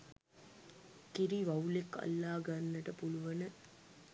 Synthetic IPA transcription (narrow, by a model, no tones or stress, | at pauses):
kiɾiʋɐulekːɐ̰lːaːɡanːəʈəpuluʋɐnə